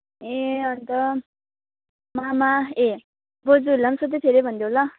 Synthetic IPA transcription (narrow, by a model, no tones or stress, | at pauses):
ẽʌnt̪ʌ | mamae | bod͡zulʌmsʌt̪̬et̪ʰeɾebʱʌnd̪jola